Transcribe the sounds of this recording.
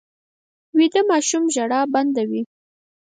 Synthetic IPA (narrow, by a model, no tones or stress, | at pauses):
wid̪əmɑʃumʒaɽɑband̪awi